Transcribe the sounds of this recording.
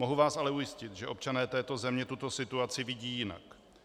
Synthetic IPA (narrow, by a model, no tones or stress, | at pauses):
mo̞ɦuvaːsalɛujɪscɪt̪ʒɛʔo̞p̚t͡ʃanɛːt̪ɛːt̪o̞zɛmɲɛt̪ut̪o̞sɪt̪uat͡sɪvɪɟiːjɪna̰k